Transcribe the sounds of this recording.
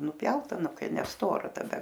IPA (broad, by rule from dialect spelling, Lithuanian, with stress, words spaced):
nʊˈpʲjɛʊtɐ ˈnʊ ˈkɐɪ nʲɛˈstoːrɐ tɐˈdɐ